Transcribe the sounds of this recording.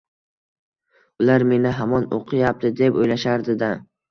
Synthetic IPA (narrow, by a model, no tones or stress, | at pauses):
ʊlaɾme̞nɪɦamɒno̰qʰɨjap̚t̪ʰɪd̪e̞pojlaʃaɾd̪ɪd̪a